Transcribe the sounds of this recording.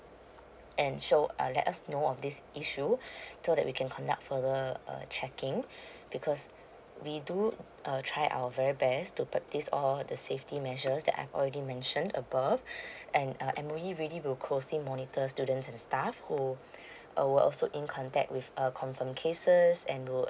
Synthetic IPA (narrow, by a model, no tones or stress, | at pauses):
ʔɛ̃nʃoʌ̰lɛ̰tasnoɔfdisʔiʃusodɛʔ̚wikʰɛ̃nkʰɔ̃nda̰k̚tfəðəʌ̰t͡ʃʰɛkɪ̃ŋ | bikʰɔs | widu | ʔʌtʰɹaɪʔa̰wəvɛɹibɛstupɹɛk̚tisɔldəseftimɛʒəsdɛ̰ta̰jvɔ̰lɹɛdimɛ̃nʃə̃ndə̰bavʔɛ̃nʌʔɛ̃mojiɹiliwilkʰlosĩmɔnitʰəstudə̃ntsɛ̃nstafhu | ʔwəʔɔ̰lsoʔĩnkʰɔ̃ntɛ̰k̚t̚wifəkʰɔ̃ɱfə̃mkʰesəsɛ̃nwi